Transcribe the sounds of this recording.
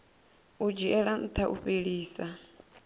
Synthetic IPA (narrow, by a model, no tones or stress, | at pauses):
ud͡ʒiʔɛɺan̩t̪ʰaʔṵɸeɺiːsa